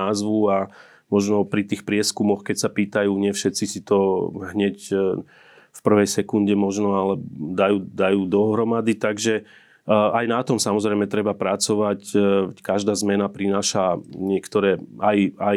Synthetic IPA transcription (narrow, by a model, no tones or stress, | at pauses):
aːzʋua | mɔʒnɔpɾit̪iːxpɾɪɛskumɔxkɛcsapiːt̪ajuːɲɪɛfʃɛt͡sisit̪ɔɦɲɛc | fpr̩ʋɛjsɛkunɟɛmɔʒnɔalɛd̪ajuːd̪ajuːd̪ɔɦɾɔmad̪it̪aɡʒɛ | ajnat̪ɔmsamɔzɾɛɪmɛt̪ɾɛbapɾat͡sɔʋackaʒd̪aːzmɛnapɾinaːʃaɲɪɛkt̪ɔɾɛːaja